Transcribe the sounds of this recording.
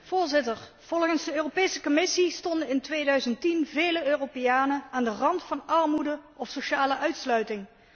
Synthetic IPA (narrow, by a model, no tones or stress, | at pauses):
v̥ʊːɹzɪtəɹ | v̥ɔlˠχənzdəøːropeːjsəkomɪsistɔndənɪntʋejdœɥzəntinveːjləøːropejaːnəaːndərɑntfɑnɑɹmudəɔfsoʃaːləʔœɥtslœɥtɪŋ